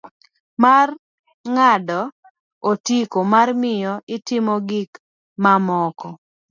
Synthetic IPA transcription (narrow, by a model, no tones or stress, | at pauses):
mar | ŋadɔ | otikomarmɪjɔʔɪtɪmɔɡik | mamɔkɔ